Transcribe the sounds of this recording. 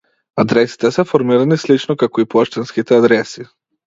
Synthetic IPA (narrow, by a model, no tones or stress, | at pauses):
ad̪ɾɛsi̥t̪ɛsɛfɔɾmiɾanislit͡ʃnɔkakɔipaʃt̪ɛnskit̪ɛad̪ɾɛsi